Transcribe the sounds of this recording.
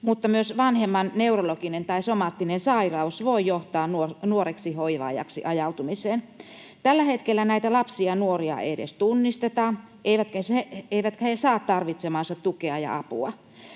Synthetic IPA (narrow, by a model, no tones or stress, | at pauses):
mut̪ːɑmyøsʋɑnhemːɑnneurolokinent̪ɑisomɑːt̪ːinensɑirɑusʋoijoht̪ɑːnuonuoreksihoiʋɑ̰ːjɑ̰ksḭʔɑjɑut̪umiseːn | t̪ælːæhet̪kelːænæit̪ælɑpsiɑnuoriɑ̰edḛst̪unːist̪et̪ɑ | ʔeiʋæt̪kæseeiʋæt̪kæhesɑːt̪t̪ɑrʋit̪semɑːnsɑt̪t̪ukeɑjɑ̰ɑpṵɑ